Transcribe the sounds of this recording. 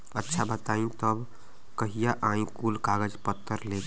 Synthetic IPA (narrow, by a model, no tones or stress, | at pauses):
ətːʃʰabət̪aĩt̪əb | kəɦijaʔãĩkulkaɡəd͡ʒpət̪ːəɾlek